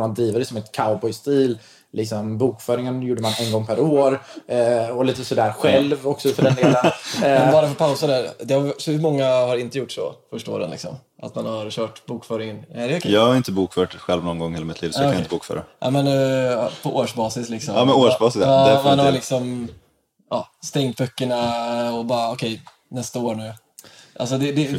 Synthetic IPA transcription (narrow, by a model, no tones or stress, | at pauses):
ɾmand̪ɾiːvad̪ɛsɔmɛt̪kʰaʊbɔjst̪iːl | lɪksɔmbuːkfœːɾɪŋənjuːɖəmanɛnɡɔŋːpʰæɾoːɾ | ɔliːt̪əsɔd̪æːɾɧɛlvɔksɔfəɖɛd̪ːlənmɛbɑːɾafɔɾpʰaʊsad̪æɾd̪ɛhaɾsɔhmɔŋːahaɾɪnt̪əjʊʈːʂɔ̰fœʂʈao̰ːɾə̰nlɪksɔ̰m | ʔa̰t̪manhaɾɕœːʈbuːkfœːɾɪŋənɛd̪ɛɔkʰɛjɑːɡhaɾɪnt̪əbuːkfœːʈɧɛlvnɔnɡɔŋːheːlamɪt̪liːvsɔakːanaɪnt̪əbuːkfœ̰ːɾa̰ʔa̰mɛnpʰɔʔoːʂbɑːsɪslɪksɔɑːmɛnoːʂbɑːsɪsɑːmanhaɾlɪksɔm | ʔɑːst̪ɛŋt̪̚bœkːəɳaɔbɑːɾaɔkʰɛj | nɛst̪aoːɳʉ̟ː | ʔa̰lsɔd̪ɛd̪ɛ